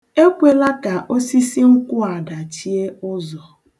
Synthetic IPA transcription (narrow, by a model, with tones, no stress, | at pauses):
e˦kʷe˨la˦ka˨ʔo˦si˦si˦ŋ̩˦kʷʊ˦a˨da˨t͡ʃi˦e˦ʊ˦zɔ˨